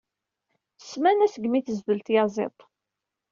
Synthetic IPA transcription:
θə̥smænæsəɡmiθəzðəlt̪jɑzˤḛt̪ˤ

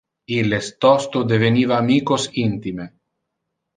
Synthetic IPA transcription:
ilest̪ɔst̪od̪evenivaːmikosint̪ime

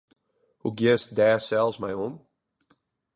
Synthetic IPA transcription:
huɡiəsdɛːsɛlˠzmajɔm

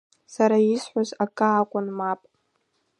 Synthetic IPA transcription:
saɾaisħʷazakʼaːkʷʼʊnmapʼ

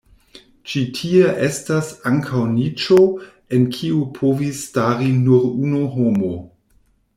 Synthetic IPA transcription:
t͡ʃitʰieʔe̞stasaŋkʰawnit͡ʃo | enkʰiupʰovisːtaɾinuɾunoɦomo

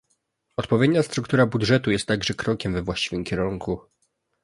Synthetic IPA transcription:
ɔt̪pɔvʲjed̪ɲast̪ɾukt̪uɾabudʐɛt̪ujɛst̪ːaɡʐɛkɾɔkʲɛmvɛvwaɕt͡ɕivɘmkʲɛɾuŋku

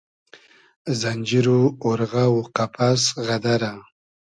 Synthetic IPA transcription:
zanʲd͡ʒiɾuoɾɣauqapʰasɣad̪aɾa

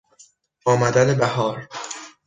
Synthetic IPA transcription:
ɒːmæd̪ænebæhɒːɾ

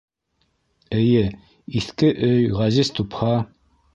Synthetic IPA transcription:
ɘ̆jɘ | iθkɘʔɵjʁæzizt̪uphɑ

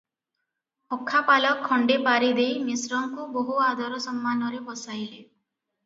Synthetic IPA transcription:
ɔkʰːapalɔkʰːɔɳɖepaɾid̪ejmisɾɔŋkuboɦuad̪ʱɔɾɔsɔmːanɔɾepɔsajle

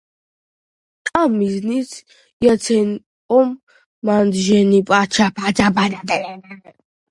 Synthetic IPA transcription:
t̪ʼamːiznisʰ | jasʰɛn | kʼɔmː | and̪ʒɛnipʼat͡ʃʰapʰad͡ʒabanad̪ɛɛna

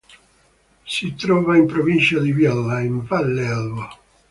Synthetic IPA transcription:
sit̪ɾɔːvaimpɾovint͡ʃad̪ivjɔlːaiɱvalːɛlvo

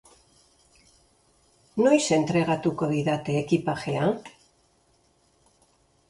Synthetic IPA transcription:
nojsent̪ɾeɣat̪ukoβiðat̪eːkipaxea

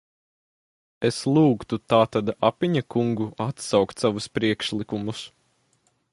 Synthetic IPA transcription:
eslˠuːkt̪ut̪aːt̪ad̪apiɲakuŋɡuat̪sawkt̪ʲsaʋuspɾiɛkʃlˠikumus

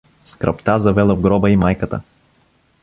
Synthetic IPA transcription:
skɾɐ̰pt̪azɐvɛlˠəvɡɾɔbəimajkət̪ə̰

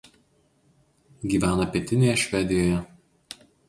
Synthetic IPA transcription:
ɡʲiːʋʲæːnɐpʲiɛt̪ʲɪnʲeːjɛʃʲʋʲɛd̪ʲɪjoːjɛ

